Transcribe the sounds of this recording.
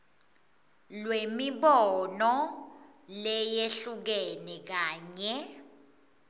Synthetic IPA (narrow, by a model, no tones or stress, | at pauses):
lwemiɓɔnɔ | lɛjeɬuk̬ɛnɛk̬aːɲɛ